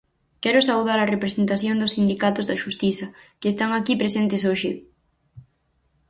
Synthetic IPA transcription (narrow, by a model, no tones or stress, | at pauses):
kɛɾʊsauð̞aɾɐrepɾesent̪aθjond̪ʊsːind̪ikat̪ʊzðɐʃust̪iθɐkɪːst̪aŋakipɾesent̪ɪsoʃɪ